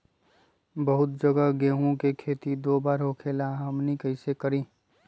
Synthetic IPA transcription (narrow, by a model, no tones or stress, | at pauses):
bəɦʊt̪̚d͡ʒəɡaɡeːɦõkekʰeːt̪id̪oːbaːɾɦokʰeːlaɦɐmnikəɪsekəɾĩː